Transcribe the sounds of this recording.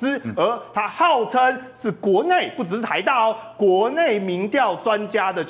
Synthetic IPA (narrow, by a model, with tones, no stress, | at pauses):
ə˧˥t̪ʰa˥xɑ˥˩ʊt͡sʰə˥nʂɻ̩˥˩kwɔ˧˥ne˥˨ɪpu˥˩ʈ͡ʂɻ̩˧˥˩t̪ʰa˧˥ɪt̪ɑ˥˩ʊkwɔ˨˧˥ne˥˩ɪmi˨˥ŋt̪jɑ˥˨ʊt͡swa˦nt͡ɕja˥d̪ə˨